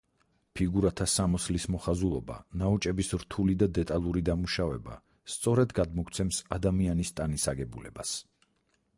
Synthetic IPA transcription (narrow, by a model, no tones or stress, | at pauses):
pʰiɡuɾat̪ʰasamɔslismɔχazulˠɔba̰naut͡ʃʼɛbisɾt̪ʰulid̪ad̪ɛt̪ʼalˠuɾid̪amuʃavɛba̰ | st̪sʼɔɾɛd̪ɡad̪mɔkʰt̪sʰɛmsad̪amianist̪ʼanisaɡɛbulɛ̰bas